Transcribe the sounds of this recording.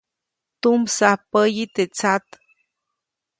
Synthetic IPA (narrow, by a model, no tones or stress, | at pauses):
t̪umsahpəjit̪et͡sat̪